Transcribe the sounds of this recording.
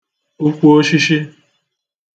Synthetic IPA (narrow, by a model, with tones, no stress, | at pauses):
u˦kʷu˦o˦ʃi˦ʃi˦